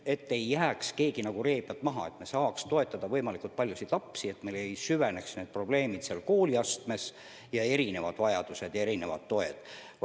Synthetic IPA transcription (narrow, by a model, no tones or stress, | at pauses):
e̞t̪ːe̞jːæːkske̞ːɡ̥inɑɡ̥ure̞ːb̥jɑt̪ːˑmɑɦɑe̞t̪me̞sɑːkst̪o̞e̞t̪ːˑɑd̪̥ɑvɤjmɑlikˑult̪̚pɑlʲjusit̪lɑpsie̞t̪melejsyveneksne̞ːd̪̚pro̞b̥le̞ːmid̪̥seɑlko̞ːliɑst̪me̞s | jɑe̞ɾine̞vɑd̪̥vɑjɑd̪̥use̞d̪̥jɑe̞ɾine̞vɑ̰d̪ːo̞e̞d̪̥